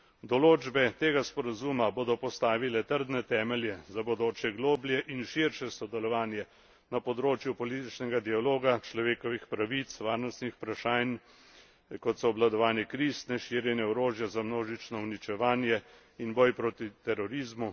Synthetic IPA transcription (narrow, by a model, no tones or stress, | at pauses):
d̪ɔloːd͡ʒbɛt̪eːɡaspɔɾazuːmaboːd̪ɔpɔst̪aːʋilɛt̪əɾd̪nɛt̪ɛːmɛljɛzabod̪oːt͡ʃɛɡloːbljɛʔinʃiɾʃɛsɔd̪ɛlɔʋaːnjɛ | napɔd̪ɾoːt͡ʃjupɔliːt̪it͡ʃnɛɡad̪ialoːɡat͡ʃlɔʋeːkɔʋixpɾaʋit̪sʋaːɾnɔst̪nixpɾaʃaːjn | kɔt̪sɔːblad̪ɔʋaːnjɛkɾiːst̪nɛʃiːɾjɛnjɛɔɾoːʒjɛzamnoːʒit͡ʃnɔwnit͡ʃɛʋaːnjɛ | inbɔjpɾoːt̪it̪ɛɾɔɾiːzmu